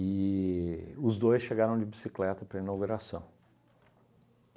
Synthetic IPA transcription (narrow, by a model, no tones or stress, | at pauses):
ɪ | ʊzd̪ojsʃeɡaɾɐ̃w̃d͡ʒɪbisiklɛt̪ɐpɾɐinawɡuɾasɐ̰̃w̃